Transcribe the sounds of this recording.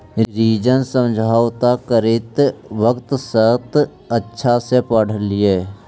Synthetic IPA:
ɾiːd͡ʒənsə̃md͡ʒʱaːwt̪akəɾɪt̪ʋəkt̪sət̪ | ətːʃʰasepəɽ̤əlɪeː

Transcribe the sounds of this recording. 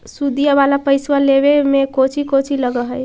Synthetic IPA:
sud̪ijaβalapəjswaleβemekot͡ʃʰikot͡ʃʰiləɡəɦəj

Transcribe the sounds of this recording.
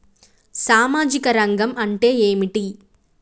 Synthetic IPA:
saːmaːd͡ʒikɐɾɐŋɡɐmɐɳʈe̞ːeːmiʈi

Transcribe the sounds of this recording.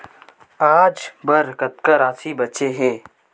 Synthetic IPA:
aːd͡ʒbɐɾkɐt̪kəɾaːsibɐtːʃeɦɛ̃ː

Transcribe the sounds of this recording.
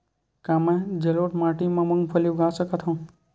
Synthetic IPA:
kamed͡ʒeloːʈmaʈimãməŋɡpʰəluɡʱasəkat̪ʰɦõ

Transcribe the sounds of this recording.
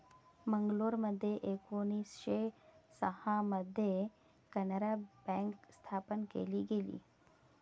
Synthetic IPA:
məŋɡloːɾməd̪ʱjeʔekoniːsʃesəhãməd̪ʱje | kənəɾabɛ̃ŋkst̪ʰaːpənkḛːliɡeːlḭː

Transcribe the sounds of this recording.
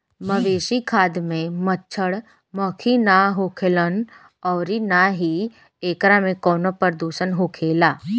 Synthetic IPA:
məʋeːʃikʰaːd̪mẽmətːt͡ʃʰəɽ | məkʰinaɦokʰeːlən | ɔːɾinaɦi | eːkɾamẽkɔːnopəɾd̪uːʃənɦoːkʰeːlaː

